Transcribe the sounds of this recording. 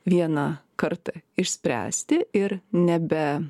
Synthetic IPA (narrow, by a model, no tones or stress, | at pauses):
ʋʲiɛnɑkɐɾt̪ɐɪʃʲsʲpʲɾʲæ̰ːsʲt̪ʲɪɪɾnʲɛbʲɛ